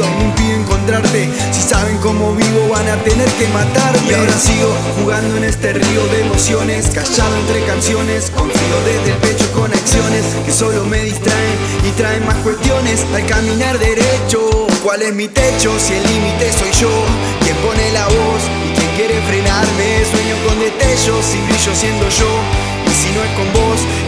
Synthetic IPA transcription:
onimpiðjeŋko̞nt̪ɾaɾt̪e̞ | sisaβ̞e̞ŋko̞mo̞βiβo̞βanat̪e̞ne̞ɾke̞mat̪aɾmeaɾasiɣo̞ | xuɣand̪oene̞st̪e̞rio̞ðeːmo̞sjo̞ne̞skaʃaðoent̪ɾe̞kansjo̞ne̞skoɱfiɣoðezðe̞lpe̞t͡ʃo̞ko̞naksjo̞ne̞ske̞so̞lo̞me̞ðist̪ɾaen | it̪ɾaenmaskwe̞st̪jo̞ne̞salkamĩnaɾðe̞ɾet͡ʃokwale̞zmit̪e̞t͡ʃo̞sielːimit̪e̞so̞jʃo | kje̞mpo̞ne̞laβo̞s | ikje̞ŋkje̞ɾe̞fɾe̞naɾmeswe̞ɲoko̞nd̪e̞t̪eʃo̞siβɾiʃosje̞nd̪oʒo̞ | isino̞esko̞mbo̞s

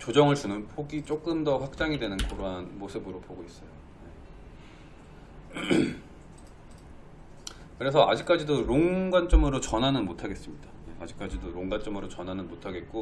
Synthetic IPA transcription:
t͡ɕod͡ʑʌŋɯɭt͡ɕunɯnpʰoɡit͡ɕ͈ok͈ɯmdʌɸwak̚t͡ɕ͈aŋidwe̞nɯnkʌɾoɦanmosʰɯbɯɾopoɡois͈ʌjo | je̞ | kɯɾe̞sʰʌad͡ʑik͈ad͡ʑidoɾoŋɡwant͡ɕ͈ʌmɯɾot͡ɕʌnɦanɯnmotʰaɡe̞s͈ɯmɲidaje̞ad͡ʑik͈ad͡ʑidoɾoŋɡant͡ɕ͈ʌmɯɾot͡ɕʌnɦanɯnmotʰaɡe̞t̚k͈o

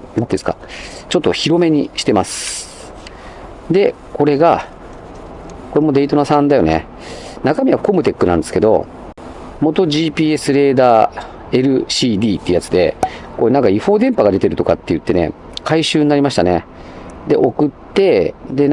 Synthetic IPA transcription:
mt̪ːd̪esɨ̥ka̰t͡ɕo̞t̪ːoçiɾo̞me̞ɲ̟iɕi̥t̪e̞masɨ̥ | d̪e̞ | ko̞ɾe̞ɡa | ko̞ɾemo̞d̪e̞it̪o̞nasãnd̪ajo̞ne̞̰ | nakamʲiβako̞mɯ̟t̪e̞kːɯ̟nã̰nd̪e̞sɨ̥ke̞d̪o̞̰ | mo̞t̪o̞ʑiːpʲiːe̞sɨɾe̞ːd̪aː | e̞ɾɯ̟ɕiːd̪ʲiːt̪ːeiɯ̟jat͡sɨd̪e̞̰ko̞enãŋkaiɸo̞ːd̪ẽ̞mpaɡad̪e̞t̪e̞ɾɯ̟t̪o̞kat̪ːe̞jɯ̟t̪ːe̞ne̞̰ | kaiɕɨːɲ̟inaɾʲimaɕi̥t̪ane̞̰ | d̪e̞ʔo̞kɯ̟t̪ːe̞d̪e̞

